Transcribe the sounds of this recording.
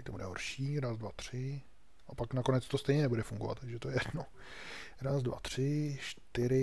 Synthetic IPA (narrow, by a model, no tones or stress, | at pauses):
t̪obudɛɦo̰ɾʃiːɾaːzdvat̪r̝̥ɪ | ʔapaknakonɛt͡st̪o̞st̪ɛjɲɛnɛbudɛfuŋɡovat̪t̪ːaɡʒɛt̪ojɛjɛdno | ɾaːzdva̰t̪r̝̥ɪʃt̪ɪɾɪ